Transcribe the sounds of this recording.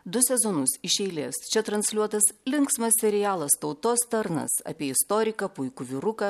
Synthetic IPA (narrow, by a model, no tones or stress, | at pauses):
d̪ʊsʲɛzoːnʊsɪʃʲɛɪlʲeːst͡ʃʲɛt̪ɾɐnʲsʲlʲuɔt̪ɐslʲɪŋksmɐsʲsʲɛɾʲɪjæːlˠɐst̪ɒʊt̪oːst̪ɐɾnɐ̰sɐ̰pʲiɛɪst̪oːɾʲɪkɐpʊɪkʊʋʲɪɾʊkɐ